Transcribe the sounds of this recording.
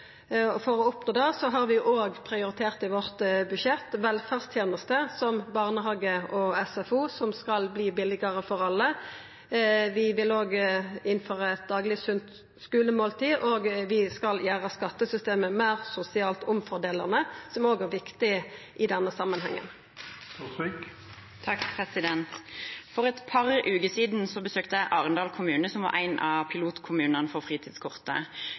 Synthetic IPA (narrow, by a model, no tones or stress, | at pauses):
ɔfɔʁɔʊpnoːd̪ɛsɔɦɑʁʋɪʔoːɡpʰʁɪʊɾɪt̪ʰeːʁt̪ɪʋɔʁt̪bʉʃjɛt̪ːʋɛlfæʁst̪ʰjeːnəst̪əsɔmbɑʁnəɦɑːɡəɔɛsɛfuːsɔmskɑlbliːbɪlɪɡəʁəfɔʁɑlːə | ʋɪʋɪlːoːɡɪnfɔʁɛt̪̚d̪ɑːɡlɪsʉnt̪ | skʉːləmoːlt̪ʰiːʔoːɡʋɪskɑljæːʁəskɑt̪ːəsʏst̪eːməmæːʁsʊsɪɑːlt̪ʊmfɔd̪eːləʁnəsɔmoːɡæʁʋɪkt̪ɪə | ʔɪd̪ɛnːəsɑmːənɦɛ̰ŋːə̰n | t̪sk | t̪ʰɑkpʰʁɛsɪd̪ɛnt̪fɔʁɛt̪pʰɑʁəʔʉːkəsiːd̪nsɔbəsøːkt̪əæɪʔɑːʁənd̪ɑːlkʰʊmʉːnəsɔmʋɑ̰ʔæ̰ɪnʔɑ̰pʰɪluːt̪kʰʊmʉːnənfɔʁfʁiːt̪ʰiːd̪skʰʊʁt̪ə̰